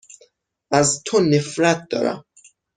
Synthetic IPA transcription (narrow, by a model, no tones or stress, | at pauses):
ʔæzt̪ʰonefɾæt̪̚d̪̥ɒ̰ːɾæ̰m